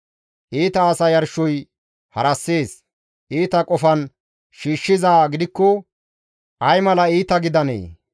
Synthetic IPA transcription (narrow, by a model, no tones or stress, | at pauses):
ʔiːt̪ɐːsɐjɐɾʃɔj | hɐɾɐsːe̞ːs | ʔiːt̪ɐkʼɔfɐn | ʃiːʃːɪzaːɡɪd̪ɪkːɔ | ʔɐjmɐlɐiːt̪ɐɡɪd̪ɐnḛː